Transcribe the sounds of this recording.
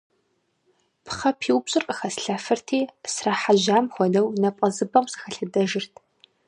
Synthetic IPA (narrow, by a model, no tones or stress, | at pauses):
pʰχɐpʰiːwpɕʼɨrqʼəxɐsɬɐfɨrtʰiːsrɐħaʒaːmxʷɔdɐwnɐpʼɐzɨbɐmsɨ̥xɐɬɨdɐʒɪrtʰ